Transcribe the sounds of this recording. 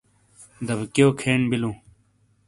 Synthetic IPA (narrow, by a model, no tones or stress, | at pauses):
d̪ɐbkjoːkʰeːnbilũː